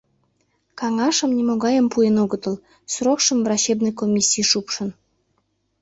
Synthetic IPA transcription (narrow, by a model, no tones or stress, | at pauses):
kɑŋɑʃə̆mnʲimoɣɑjəmpujenoɡət̪əl | srokʃə̆mvrɑɕebnəjkomʲisʲːijʃupʃə̆n